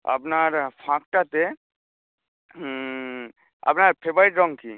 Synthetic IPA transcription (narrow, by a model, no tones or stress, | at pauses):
ə̰pnaɾpʰãk̚ʈat̪e | ə̰pnaɾpʰebajʈɾɔŋkʰḭ